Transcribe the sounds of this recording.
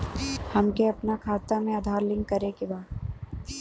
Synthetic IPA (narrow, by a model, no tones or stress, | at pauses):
hɐmkeɐpnakʰaːt̪amẽaːd̪ʱaːɾlɪ̃ŋɡkɐɾekebaː